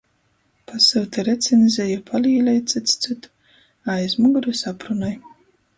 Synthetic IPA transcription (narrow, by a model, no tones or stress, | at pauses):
pasɨwt̪ɛɾɛt̪sʲenzʲejapʰaliːlʲɛjt̪sɨt̪st̪sɨt̪ | ajzmuɡɾusapɾunɔj